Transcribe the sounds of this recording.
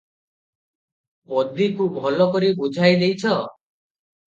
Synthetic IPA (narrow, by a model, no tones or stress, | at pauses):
pɔd̪ikubʱɔlɔkɔɾibud͡ʒʱajd̪ejt͡ʃʰɔ